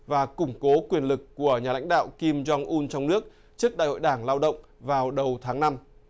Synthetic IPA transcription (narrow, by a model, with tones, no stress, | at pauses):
vaː˨˩kʊ˧˩ŋ͡mko˨˦kwi˨˩ənlɨ˨˩kːu˧˩əɲaː˨˩la̰˧˥jŋ̟ɗa̰ː˧˨wki˧mt͡ɕɔ˧ŋʔu˧nt͡ɕɔ˧wŋ͡mnɨ˦˥ək̚ | t͡ɕɨ˦˥ək̚ɗa̰ː˧˨jho̰˧˨jɗaː˧˩ŋlaː˧wɗə̰˧˨wŋ͡m | vaː˨˩wɗə˨˩wt̪ʰaː˨˦ŋna˧m